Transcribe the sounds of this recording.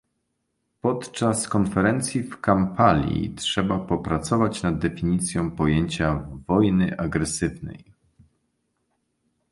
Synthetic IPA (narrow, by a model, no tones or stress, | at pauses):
pɔt̪t͡ʂaskɔnfɛɾɛnt̪sʲjifkampalʲḭtʂɛbapɔpɾat̪sɔvat͡ɕnad̪̚ːɛfʲiɲit̪sʲjɔ̃w̃pɔjeɲt͡ɕavɔjnɘʔaɡɾɛsɘvnɛ̰j